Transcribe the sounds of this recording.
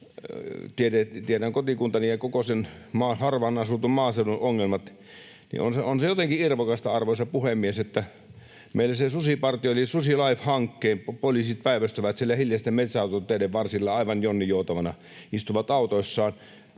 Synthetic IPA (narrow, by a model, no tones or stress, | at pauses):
t̪iedet̪ieɾæŋkot̪ikunt̪ɑnijɑkokosenmɑːfɑrʋɑnɑsut̪ummɑːseuluoŋːelmɑt̪ | nḭo̰nseonsejot̪eŋkiirʋokɑst̪ɑɑrʋosɑpuhemːieset̪ːæ | meˑilːæsesusipɑrt̪ioolisusilɑifhɑŋkːeːmpolisit̪̚pæiʋæst̪øʋæt̪sielːæhiljɑst̪æmet̪sɑˑut̪ot̪ːˑeedeʋʋɑrsilːɑɑˑiʋɑnjonːijoˑut̪ɑʋɑnɑ | ist̪uʋɑt̪ɑˑut̪oisːɑːn